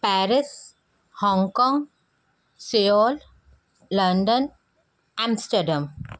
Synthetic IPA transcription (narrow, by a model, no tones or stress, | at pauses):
pæɾɪs | hɔ̃ŋɡkɔ̃ːŋɡ | seɔːl | lɐ̃ɳɖə̃n | ãmsʈəɾɖãm